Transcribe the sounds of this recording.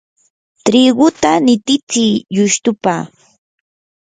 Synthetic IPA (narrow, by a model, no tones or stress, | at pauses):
t̪ɾɪɢʊt̪anɪt̪ɪt͡sijʊʃt̪ʊpa